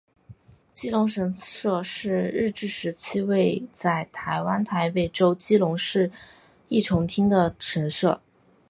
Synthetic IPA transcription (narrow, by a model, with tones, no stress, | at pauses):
t͡ɕi˥lʊ˧˥ŋʂə˧˥nʂɤ˥˧ʂɻ̩˥˧ɻɻ̩˥˧ʈ͡ʂɻ̩˥˩ʂɻ̩˧˥t͡ɕʰi˥we˥˧ɪt͡sa˥˩ɪt̪ʰa˧˥ɪwa˥nt̪ʰa˧˥ɪpe˥˩ɪʈ͡ʂo˥ʊt͡ɕi˥lʊ˧˥ŋʂɻ̩˥˧ | i˥˩ʈ͡ʂʰʊ˧˥ŋt̪ʰi˥ŋd̪ə˨ʂə˧˥nʂɤ̰˥˩